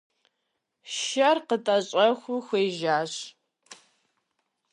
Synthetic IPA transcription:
ʃɐrqətʼɐɕʼɐxʷʊxʷeːʒaːɕ

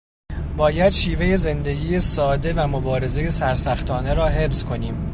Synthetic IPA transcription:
bɒːjæd̪̥ʃiːve̞je̞ze̞nd̪e̞ɡiːjesɒːd̪e̞væmo̞bɒːɾe̞ze̞je̞sæɾsæxt̪ʰɒːne̞ɾɒːɦe̞fz̥kʰo̞niːm

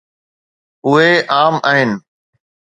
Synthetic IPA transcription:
ʊɦeʔaːmaːɦɪnɪ̆

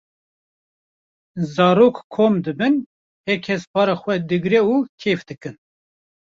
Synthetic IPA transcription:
zɑːɾoːkkʰoːmd̪ɨbɨn | hɛkʰɛspɑːɾɑːxʷɛd̪ɨɡɾɛuːkʰeːfd̪ɨkɨn

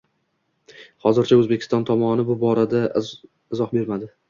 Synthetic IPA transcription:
hɒzɪɾt͡ʃʰaɵzbe̞kʲɪ̥st̪ɒnt̪ʰɒmɒnɪbʊbɒɾad̪a | ɪzɒhbe̞ɾmad̪ɪ

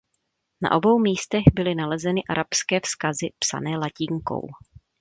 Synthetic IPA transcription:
na̰ʔo̞bo̞wmiːst̪ɛɣbɪlɪnalɛzɛnɪʔaɾʔapskɛːfskazɪpsa̰nɛːlacɪŋko̞̰w

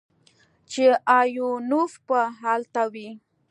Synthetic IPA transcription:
t͡ʃɪajʊnʊfpaɦalt̪awi

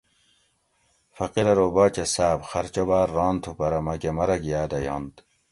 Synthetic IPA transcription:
fɐqiɾɐɾobɑːt͡ɕesaːbxɐɾt͡ɕobaːɾːɑːnt̪ʰupɐɾɐmɐkemɐɾɐɡijaːd̪ɐjɑ̰nd̪

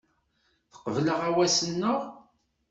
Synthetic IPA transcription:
θə̥qəvləʁæwæsənːəʁ

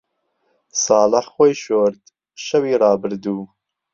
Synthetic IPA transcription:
sɑːləħxoːjʃoːɾd̪ | ʃɐwiːrˤɑːbɨɾd̪uː

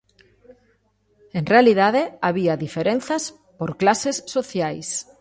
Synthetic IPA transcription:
eŋrealiðaðeaβiaðifeɾen̟θas | poɾklasesːoθjajs

